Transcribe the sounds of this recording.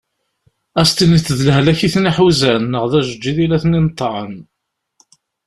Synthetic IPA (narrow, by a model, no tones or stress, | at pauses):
æst̪init͡sːðlɦlæçiθniħuzænːəʁðæʒəd͡ʒːiðilæθnint̪ˤːɾˤə̰n